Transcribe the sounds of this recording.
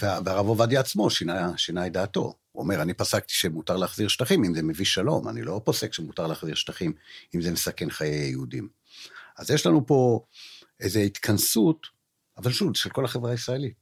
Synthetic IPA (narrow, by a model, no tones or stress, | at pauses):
veaveaʁavovadiat͡smo̞ʃinaʃinajd̪aːto̞̰ | uo̰me̞ʁanipasak̚t̪i̥ʃemutaʁleaχziʁʃt̪aχimimzeme̞viʃalo̞̰ma̰nḭlo̞po̞se̞kʃemutaʁleaχziʁʃtaχimimzemesake̞nχajejeudim | azjeʃlanupo̞ | ʔezeit̪kʰansut | avalʃuvʃelko̞laχevʁaisʁaelit